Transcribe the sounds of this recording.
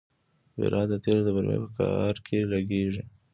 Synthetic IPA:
wɪ̰ɾʔɑd̪ət̪elod̪əbaɾmḛpəka̰ɑɾkʰelaɡeʐi

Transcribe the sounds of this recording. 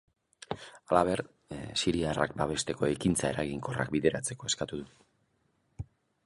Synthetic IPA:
alaβ̞e̞ɾ | siɾiara̰k̚baβe̞st̪e̞ko̞ekint͡sae̞ɾaɣiŋko̞ra̰kbiðe̞ɾat͡se̞ko̞e̞skat̪uðu

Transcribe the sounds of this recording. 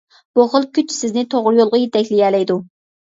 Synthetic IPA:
b̥uχəlˠkʲyt͡ʃʰsɪznɪt̪ʰoʁɾjolˠʁɑjet̪ʰɛkʲlɪjʲɛːlɛjd̪u

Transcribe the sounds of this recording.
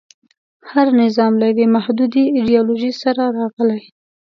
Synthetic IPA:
haɾnɪzɑmlawemahd̪ud̪iɪɖijɑloʒisaɾaɾɑɣəlaj

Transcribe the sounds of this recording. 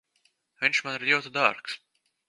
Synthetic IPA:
vʲinʲʃmanɾjiwt̪ud̪a̰ɾks

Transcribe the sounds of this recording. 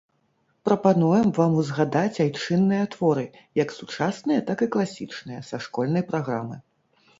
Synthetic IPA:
pɾɐpanujɛmvamuzɣad̪at͡sʲajt͡ʂɨnːɨjɐt̪vɔɾɨ | jɐksut͡ʂasnɨjɐt̪akɨklˠasʲit͡ʂnɨjɐsaʂkɔlʲnɐjpɾaɣɾamɨ

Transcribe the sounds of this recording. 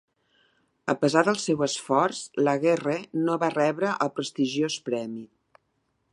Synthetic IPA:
əpəzad̪əlˠsɛwəsfɔrzləɣɛrənoβarɛβɾəʔəlˠpɾəst̪iʒiospɾɛmi

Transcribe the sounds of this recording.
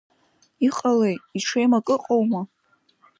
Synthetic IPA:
iqʼalejtiʈ͡ʂʰejmakʼɨqʼowma

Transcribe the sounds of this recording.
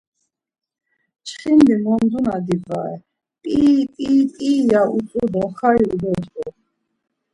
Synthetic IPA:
t͡ʃʰχind̪imɔnd̪unad̪ibaɛ̰ | pʼipʼiːpʼiːlaʔut͡sʼud̪ɔχaiud̪ɔt̪ʼu

